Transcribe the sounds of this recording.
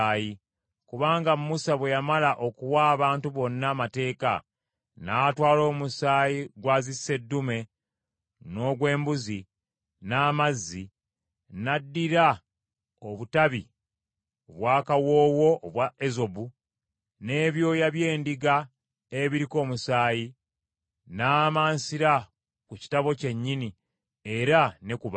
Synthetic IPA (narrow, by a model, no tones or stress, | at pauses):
ji | kuβaːŋɡammusaβwejamalaʔo̞kuwaːβaːntuβo̞nːamate̞ːka̰ | natwaːlo̞ːmusaːjiɡwazisːe̞dːume̞ | no̞ːɡwe̞ːmbuzi | naːmazːi | nadːiɾa | o̞βutaβi | oβwaːkawo̞ːwo̞ːβwaezo̞bu | ne̞ːβjo̞ːjaβje̞ːndiɡa | eβiɾiko̞ːmusaːji | naːmaːnsiɾa | kuci̥taβo̞ce̞ɲːini | e̞ɾanekuβa